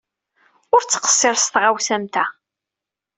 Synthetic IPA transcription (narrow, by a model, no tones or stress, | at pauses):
ʊɾt͡sːqə̥sˤːɪɾst̪ʁawsæmt̪æ